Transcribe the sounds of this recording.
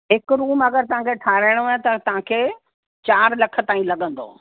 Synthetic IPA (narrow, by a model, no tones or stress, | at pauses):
ɦɪkɾuːmɐɡəɾt̪ɐʋ̤ãkʰeʈʰaːɾaːɪɽ̃ːt̪ɐt̪ɐʋ̤ãkʰeː | t͡ɕaːɾlɐkʰə̆t̪aːĩlɐɠə̃nd̪o̰ː